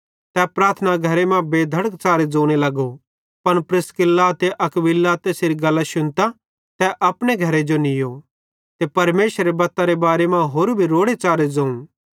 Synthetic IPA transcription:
t̪ɛpɾaːɾt̪ʰnaɡʱɐɾemãbeːd̪ʱɐɽək̚t͡ʃaːɾed͡zõːɽ̃elɐɡo | pɐnpɾɪskɪlːat̪eʔɐkbɪlːat̪esɪɾiɡɐlːaʃʊnt̪a | t̪ɛʔɐpɽ̃eɡʱɐɾed͡ʒonɪjo | t̪epɐɾmeːsɾebɐt̪ːaɾebaːɾemãɦoːɾbʱiɾoːɽet͡ʃaːɾed͡zõːũ

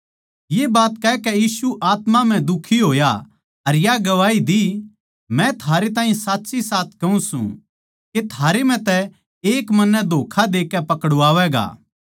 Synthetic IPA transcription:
jeːbaːt̪kɛkɛjiːsuʔaːt̪mam̤ɛ̃d̪ʊkʰiɦoːja | ɐɾjaɡɐʋaːid̪i | mɛ̃t̪ʰaːɾet̪ãːĩsaːtːsisaːt̪̚ʰkɐũsṵ̃ | ket̪ʰaːɾem̤ɛ̃t̪ɛ | eːkmɐnːɛd̪ʱoːkʰad̪eːkːɛpɐkəɽʊaːʋɛɡa̰ː

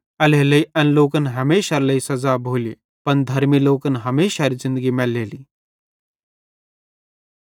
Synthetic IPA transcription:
ɐleləiɐnloːkənɦɐmeːʃaɾləisɐd͡zabʱoːli | pɐɳd̪ʱɐɾmiloːkənɦɐmeːʃaɾizɪ̃nd̪əɡimɛlːeːliː

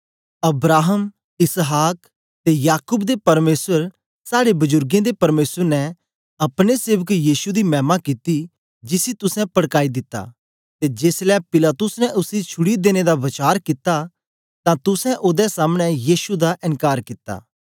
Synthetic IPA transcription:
ɐbɾaːɦəm | ɪsɦaːk | t̪ejaːkʊbd̪epɐɾmeːsəɾ | saːɽebʊzʊɾɡẽd̪epɐɾmeːsəɾnɛ | ɐpɽ̃eseːʋəkjiːsud̪imɛ̃ːmakɪt̪i | d͡ʒɪsit̪ʊsɛ̃pɐɽkaːid̪ɪt̪ːa̰ː | t̪ed͡ʒeːslɛːpɪlaːt̪ʊsnɛʔʊsit͡ʃʰʊɽid̪eːñed̪aʋɐt͡ʃaːɾkɪt̪a | t̪ãt̪ʊsɛ̃ʔoːd̪ɛsaːmɽ̃ɛ̃jiːsud̪aʔɪ̃nkaːɾkɪt̪ːa̰ː

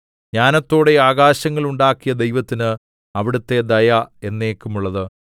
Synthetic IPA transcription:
ɲaːnɐt̪ːo̞ːɽe̞aːɣaːɕɐŋːɐɭuɳɖaːkːijɐd̪e̞jʋɐt̪ːinɨ | ɐʋiɽut̪ːe̞d̪ɐjɐe̞nːeːkːumuɭːɐðɨ

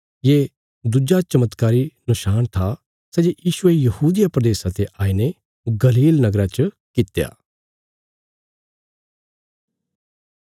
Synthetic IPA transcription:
jeː | d̪ʊd͡ʒat͡ʃɐmət̪kaːɾinʊʃaːnt̪ʰa | sɛːd͡ʒejiːʃʊejɐhuːd̪ɪjapɾɐd̪eːsat̪eʔaːine | ɡɐliːlnɐɡɾat͡ʃə | kɪt̪ja̰ː

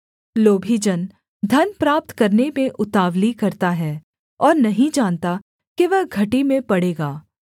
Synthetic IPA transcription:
loːbʱid͡ʒən | d̪ʱɐnpɾaːp̚t̪kɐɾnemẽʔʊt̪aːʋlikɐɾt̪aɦɛː | ɔːɾnɐɦĩd͡ʒaːnt̪a | keʋəɦɡʱɐʈimẽpɐɽeːɡaː

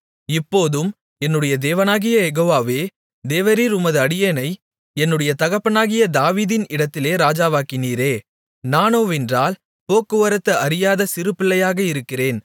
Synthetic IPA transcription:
ɪpːoːðɯm | ɛnːɯɽɐjɐd̪eːʋɐnaːɣɪjɐɛɣoːʋaːʋeː | d̪eːʋɐɾiːɾʊmɐðɯɐɽɪjeːnɐɪ | ɛnːɯɽɐjɐt̪ɐɣɐpːɐnaːɣɪjɐd̪aːʋiːðɪnɪɽɐt̪ːɪleːɾaːd͡ʒaːʋaːkɪniːɾeː | naːnoːʋɪndraːl | poːkːɯʋɐɾɐt̪ːɐʔɐɾɪjaːðɐsɪɾɯpːɪɭːɐjaːɣɐɪɾɯkːɪreːn

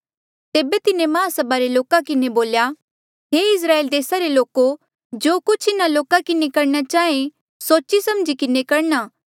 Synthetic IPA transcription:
t̪eːbet̪ɪnemãːsɐbaɾeloːkakɪneboːlja | ɦeɪs̬ɾaːeːld̪eːsaɾeloːko | d͡ʒoːkʊt͡ʃʰɪnaloːkakɪnekɐɾnat͡ʃaːẽ | soːt͡ʃisɐmd͡ʒikɪnekɐɾnaː

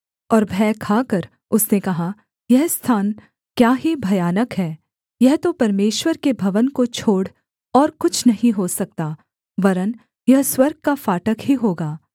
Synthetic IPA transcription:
ɔːɾbʱɛːkʰaːkɐɾ | ʊsnekɐɦa | jɛɦst̪ʰaːn | kjaːɦibʱɐjaːnəkɦɛː | jɛɦt̪opɐɾmeːʃwəɾkebʱɐʋənkot͡ʃʰoːɽ | ɔːɾkʊt͡ʃʰnɐɦĩɦosɐk̚t̪aː | ʋɐɾən | jɐɦswɐɾɡ̚kafaːʈəkɦiɦoːɡaː

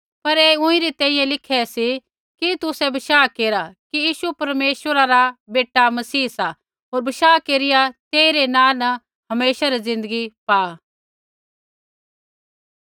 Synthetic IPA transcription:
pɐɾɛːʊ̃ĩɾit̪ɛ̃ːĩjɛ̃lɪkʰɛsi | kit̪ʊsɛbɐʃaːkeːɾakijiːʃupɐɾmeːʃʋəɾaɾabeːʈːamɐsiːsa | ɦoːɾbɐʃaːkeːɾɪjat̪eːiɾenãːnɐ | ɦɐmeːʃaɾizɪ̃nd̪əɡipaː

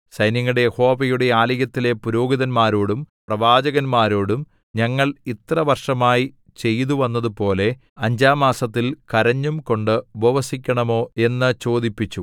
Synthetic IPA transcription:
sɐjnɐŋːɐɽe̞jeho̞ːbɐjuɽe̞aːlɐjɐt̪ːile̞puɾo̞ːɡiðɐnmaːɾoːɽumprɐʋaːd͡ʑɐɣɐnmaːɾoːɽum | ɲɐŋːɐɭit̪rɐʋɐrʂɐmaːji | t͡ɕe̞jt̪uʋɐnːɐðupo̞ːle̞ | ɐɲd͡ʑaːmaːsɐt̪ːilkɐɾɐɲːumko̞ɳɖɨbɐʋɐsikʲːɐɳɐmo̞ːe̞nːɨt͡ɕo̞ːd̪ipːit͡ɕːu

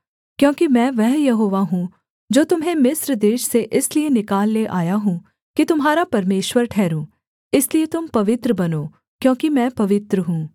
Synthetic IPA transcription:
kjõːkimɛ̃ːʋɛɦjɐɦoːʋaɦũ | d͡ʒoːt̪ʊmɦẽmɪsɾd̪eːʃseʔɪslienɪkaːlːeʔaːjaɦũ | kit̪ʊmɦaːɾapɐɾmeːʃwəɾʈʰɛːɾũː | ɪsliet̪ʊmpɐʋɪt̪ɾəbɐnoː | kjõːkimɛ̃ːpɐʋɪt̪ɾəɦũː

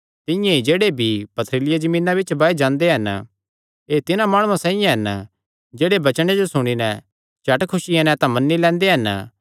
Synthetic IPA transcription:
t̪ɪ̃jãid͡ʒeːɽebʱipɐt̪ʰɾɪlɪjad͡ʒɐmĩːnabɪt͡ʃbaːed͡ʒãːnd̪eɦɐn | eːt̪ɪnãmaːɽ̃ũãsãːĩjãɦɐn | d͡ʒeːɽebɐt͡ʃɽ̃ed͡ʒosʊɽ̃inɛ | t͡ʃɐʈkʰʊʃiɛ̃nɛt̪ãmɐnːilɛ̃ːnd̪eɦɐn

